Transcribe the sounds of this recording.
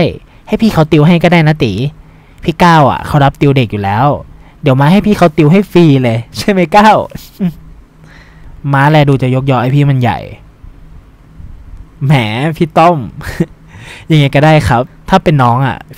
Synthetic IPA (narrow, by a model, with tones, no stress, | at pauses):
j | ha˥˩jpʰiː˥˩kʰa˦˥wt̪i˧wɦa˥˩jkɔː˥˩daː˥˩jna˦˥t̪iː˩˦ | pʰiː˥˩kaː˥˩wʔa̰˨˩kʰa˦˥wɾa˦˥p̚t̪i˧wde˨˩k̚juː˨˩lɛː˦˥wdi˨˩˦wmaː˧˥ɦa˥˩jpʰiː˥˩kʰa˦˥wt̪i˧wɦa˥˩jfiː˧lɤ˧t͡ɕʰa˥˩jma˥˩jkaː˥˩w | maː˦˥lɛː˧duː˧t͡ɕa˨˩jo˦˥k̚jɔː˧˥ʔa˥˩pʰiː˥˩ma˧nja̰˨˩j | mɛ̰ː˩˦pʰiː˥˩t̪ɔ˥˩m | ja˧˩ŋːa˧˦jkɔː˥˩daː˥˩jkʰa˦˥p̚t̪ʰaː˥˩pe˧nːɔː˦˥ŋʔa̰˨˩